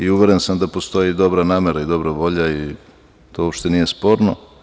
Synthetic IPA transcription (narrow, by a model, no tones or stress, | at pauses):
iuʋe̞ɾensamd̪apo̞st̪o̞jid̪o̞bɾanaːmeɾaid̪o̞bɾaʋo̞ʎai | t̪oopʃt̪e̞nije̞spo̞ɾno